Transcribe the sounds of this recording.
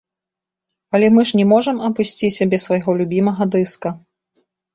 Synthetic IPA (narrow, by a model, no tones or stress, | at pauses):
ɐlʲɛmɨʂnʲɛmɔʐɐmɐpusʲt͡sʲisʲabʲɛsvɐjɣɔlʲubʲimɐɣɐd̪ɨskɐ